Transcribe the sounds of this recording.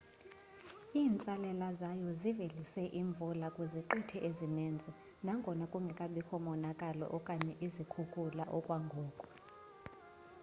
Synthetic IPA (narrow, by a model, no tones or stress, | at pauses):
iːnt͡sʼalɛlazajɔzivelisɛʔiɱb̪vulakʼuziǃitʰɛʔezinɛnd͡zʱɛ | naŋɡʱɔnakʼuŋɡʱɛkʼaɓixʰɔmɔnakʼalɔ̰ʔɔkʼaɲɛʔizikʰukʰʼulaʔɔkʼwaŋɡʱɔːkʼɔ̥